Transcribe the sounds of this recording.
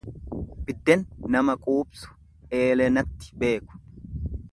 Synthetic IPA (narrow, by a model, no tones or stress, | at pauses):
bɪd̪ːɛnːɐmɐkʼuːbsʊ̥ | e̞ːlɛnɐt̪ːɪ̥be̞ːkʊ̥